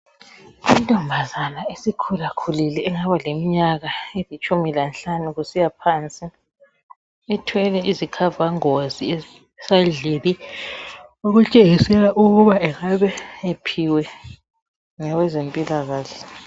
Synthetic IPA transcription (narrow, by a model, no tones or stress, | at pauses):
intʼɔmbʱazanaesikʰulakʰulilɛːŋaβalemiɲaɣaelit͡ʃʼumilanɬanuɣusijapʰant͡sʼi | ɛtʰwɛlɛʔizikʰavaŋozi | saɮeli | oɣut͡ʃʼeɣisɛlaʔuɣuβaɛɣaβɛepʰiwɛ | ŋawɛzempʼilaɣaːɬɛ